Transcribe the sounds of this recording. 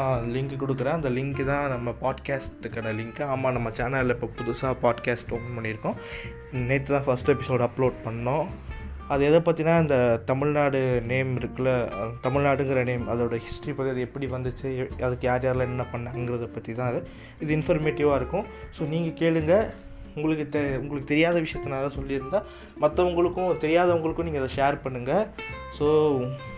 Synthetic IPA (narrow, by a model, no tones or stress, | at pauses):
alɪŋkɯkɔɽɯkːɯɾɐ̃ɪnd̪ɐlɪŋkɯt̪ãːnɐmːɐpaːɖkaːsʈɾɯkːɐɳɐlɪŋkɯaːmːaːnɐmːɐt͡ʃaːnɐllɪpːoːpʊðʊsaːpaːɖkaːsʈoŋɐpɐɳːɪɾɯkːʊ̃ | nɐɪt̪ːɯt̪ãːfɐsʈɛpɪsoːɖɐpːloːɖ̚pɐɳɐːʊ̃ | ɐðɯɛðɐpɐːt̪ːinãːɪnd̪ɐt̪ɐmɪɻnaːɽɯneːmɪɾɯkːɯlɐt̪ɐmɪɻnaːɽɯŋɡɪɾɐneːmɐðɐɽɐhɪsʈɾipɐːt̪iɐðɛpːɐɽiʋɐnd̪ɯt͡ʃːɯɐðɯkːɯjaːɾjaːɾlãːɛnːɐpɐɳːɐːnɡɪɾɐðɐpːɐt̪ːit̪ãːɐðɯ | ɪðɯɪnfɐɾmeːʈːɪʋaːɪɾɯkːʊ̃soːniːŋɡɐkeːɭɯŋɡɐ | ʊŋɡɐɭɯkːɯt̪ʊŋɡɐɭɯkːɯt̪ɛɾɪjaːðɐʋɪʂɐjɐt̪ːɐnaːlɐsɔlːɪɾɯnd̪ãː | mɐt̪ːɐʊŋɡɐɭɯkːʊ̃ɯt̪ɛɾɪjaːðɐʊŋɡɐɭɯkːʊ̃niːŋɡɐɛðɐʃeːɾpɐɳːɯŋɡɐsoː